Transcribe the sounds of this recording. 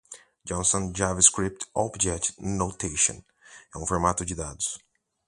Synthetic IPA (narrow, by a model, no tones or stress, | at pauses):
d͡ʒɔ̃nsõnd͡ʒavɐskɾip̚t̪ʰɔbd͡ʒɛt͡ʃnot̪ʰeʃõ̰n | ɛ̃ũfɔɾmat̪ʊd͡ʒɪd̪ad̪ʊ̥s